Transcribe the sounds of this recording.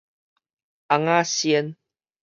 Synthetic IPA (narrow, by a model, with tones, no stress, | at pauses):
ʔa˨ŋaː˦si˧ən